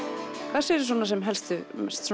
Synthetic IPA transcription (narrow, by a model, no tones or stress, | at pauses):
kʰɛsɪɛɾɪs̬ɔːnasɛmɦɛlst̪ʏɛst̪s